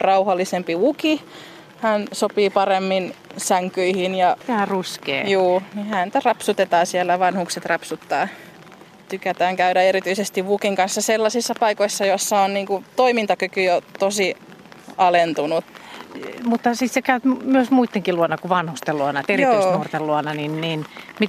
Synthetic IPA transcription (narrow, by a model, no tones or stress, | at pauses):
rɑuhɑlːisempiuki | hænsopiːpɑremːinsæŋkyihinjɑt̪æːruskḛːjuːnihænt̪ærɑpsut̪et̪ɑːsielːæʋɑnhukset̪rɑpsut̪ːɑː | t̪ykæt̪æːŋkæyɾæeɾit̪yisest̪iʋʋukiŋkɑnsːɑselːɑsisːɑpɑikoisːɑjosːɑonniːŋkut̪oimint̪ɑkykyjot̪osi | ɑlent̪unut̪ | mut̪ːɑsissekæyt̪myøsmuit̪ːeŋkiluonːɑkuʋɑnhust̪eluɑnɑt̪eritoysnurt̪elluɑnɑninniːnmit̪